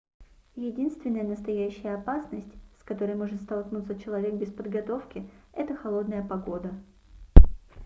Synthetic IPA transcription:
jɪdʲinst̪vʲɪnːəjənəst̪ɐjæɕːɪjəɐpasnəsʲtʲskɐt̪o̞ɾəjmo̞ʐɨt̪st̪ɐlˠknut̪sət͡ɕɪlˠɐvʲe̞k̚bʲɪspəd̪ɡɐt̪o̞fkʲɪɛt̪əxɐlˠo̞d̪nəjəpɐɡo̞d̪ə

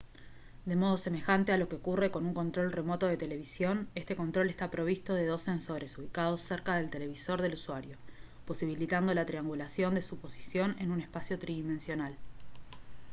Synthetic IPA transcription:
d̪e̞mo̞ð̞o̞se̞me̞xant̪e̞alo̞ke̞okure̞ko̞nuŋko̞nt̪ɾo̞lre̞mo̞t̪o̞ð̞e̞t̪e̞le̞β̞isjo̞ne̞st̪e̞ko̞nt̪ɾo̞le̞st̪apɾo̞β̞ist̪o̞ðe̞ðo̞sːe̞nso̞ɾe̞suβ̞ikað̞o̞sːeɾkaðe̞lt̪e̞le̞β̞iso̞ɾðe̞luswaɾjo̞ | po̞siβilit̪and̪o̞lat̪ɾiaŋɡulasjo̞nd̪e̞supo̞si̥sjo̞ne̞nunespasjo̞t̪ɾiðimẽ̞nsjo̞nal

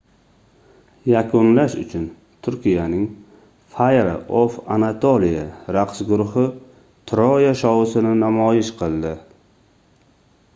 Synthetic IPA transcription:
jakʰʊnlaʃʊ̰t͡ʃʰʊn | t̪ʰʊɾkʲijanɪŋ | fajɾa̰ʔofanat̪ʰolijaɾaqsɡʊɾʊhɪ | t̪ʰɾɒjaʃɒwʊsɪnɪnamɒjɪʃqʰɨlˠd̪ɪ

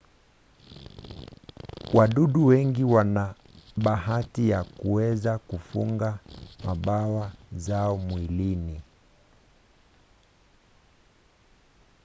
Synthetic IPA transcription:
wʔaɗuɗuwɛŋɡiwana | ɓaɦatijakuɛzakufuŋɡamaɓawazaɔmwilini

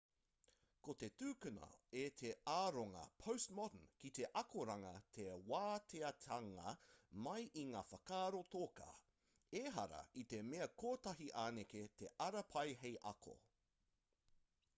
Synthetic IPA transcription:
kot̪e̞tʉːkʉnɐ̰et̪ʰeaːɾoŋɐ̰pʰowstmɔdənkit̪e̞ʔɐkʰoɾɐŋɐt̪ʰewaːt̪ʰeɐt̪ʰɐŋɐ̰mɐjʔiŋaːfɐkaːɾot̪oːka̰ | eɦɐ̰ɾɐ̰it̪emeɐkʰoːt̪ɐɦiʔaːneket̪ʰeʔɐɾɐpʰɐjɦejʔɐkʰo̰

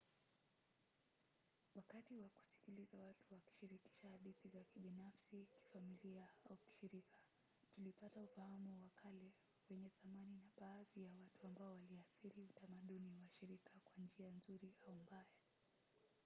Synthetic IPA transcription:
wakatiwaku̥si̥kilizawatuwaki̥ʃiɾiki̥ʃahaɗiθizakiɓinafsiki̥familiaauki̥ʃiɾikʰḁ | tulipataufahamuwakʰalɛ | wɛɲɛθamaninaɓaːðijawatuambaɔwaliaθiɾiutamaɗuniwaʃiɾikakwand͡ʒianzuɾiaumbaja

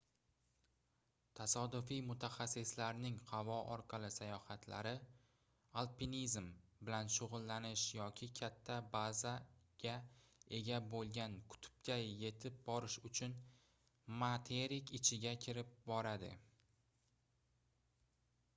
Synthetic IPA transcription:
t̪ʰasɒd̪ʊfijmʊt̪ʰaχasːɪslaɾnɪŋhavɒʔɒ̰ɾqʰɑlˠɪsajɒhat̪ʰla̰ɾɪ | alˠpinizmbɪlanʃʊʁʊlˠːanɪʃjɒkʲʰɪkʲʰat̪ʰːabazaɡ̥ʲae̞ɡʲabolˠɡʲankʰʊ̥t̪ʰʊ̥p̚kʲʰaje̞t̪ʰɪp̚bɒɾɪʃʊt͡ʃʰʊn | mat̪ʰeɾikʲɪt͡ʃʰɪɡʲakʲʰɪɾɪp̚bɒɾad̪ɪ̰

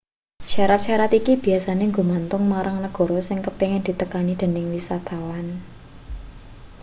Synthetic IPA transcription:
ʃaɾat̪̚ʃaɾat̪ikib̥i̤asaneŋɡomant̪ʊŋmaɾaŋnəɡ̥ɔ̤ɾɔsɪŋkəpeŋɪnd̥̪i̤t̪əkanid̪̥e̤nɪŋwisat̪awan

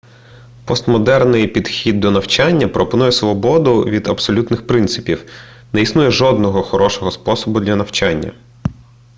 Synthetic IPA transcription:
pɔst̪mɔd̪ɛrnɪjpʲid̪xʲid̪ːɔnɐwt͡ʃanʲːɐpɾɔpɔnujɛsʋɔbɔd̪ʊʋʲid̪ɐbsɔlʲut̪nɪxpɾɪnt̪sɪ̥pʲiw | nɛisnujɛʒɔd̪nɔɦɔxɔɾɔʃɔɦɔspɔsɔbʊd̪lʲɐnɐwt͡ʃanʲːɐ̰

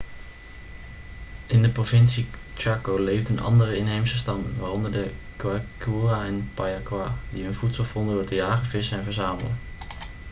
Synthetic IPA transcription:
ʔɪndəprovɪnsit͡ʃaːkolejvdənɑ̰ndərəɪnɦejmsəstɑmnʋaːrɔndəɹdəkwakuːraɪnpajakwaːdiɦɵnvutsəlˠvɔndədʊɹtəjaːχəvɪsəɛnvəɹzaːmə̰lə

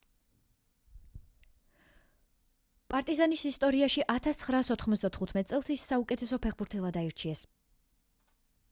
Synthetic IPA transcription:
pʼaɾt̪ʼizanisist̪ʼɔɾiaʃiʔat̪ʰast̪sχɾaːsɔt̪ʰχmɔt̪sʰd̪at̪ʰχut̪ʰmɛt̪ʼsʼɛlˠsisːaukʼɛt̪ʰɛsɔpʰɛχbuɾt̪ʰɛlˠad̪aiɾt͡ʃʰiɛs

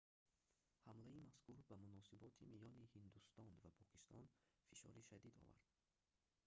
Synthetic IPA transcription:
hamlaimaskuɾbamunɔsibɔt̪ʰimijɔnihind̪ust̪ɔnvapʰɔkʰist̪ʰɔnfiʃɔ̰ɾiʃad̪id̪ɔ̰va̰ɾd̪̥

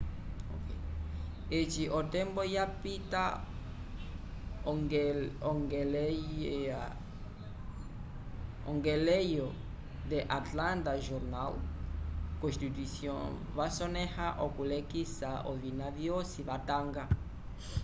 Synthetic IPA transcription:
okej | et͡ʃiʔot̪ẽmbojapit̪a | oŋɡelea | õŋɡelejo | d̪eʔat̪lãnt̪aʒoɾnal | kõst̪it̪wisjõ̰ | vasonehaʔokulekisaovinaðjosiβat̪ãŋɡa

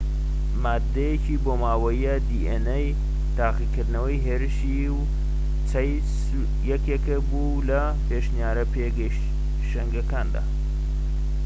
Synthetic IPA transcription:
maːd̪ːɐjet͡ʃiːboːmaːwɐjiad̪iːʔenej | t̪aːqikɨɾd̪nɐwɐjɦeːɾɨʃi | w | t͡sʰɐj | s | jɛkekebu | lɐ | peʃnijaːɾɐpeɡ | ʃɐŋɡɐkaːnd̪a̰ː

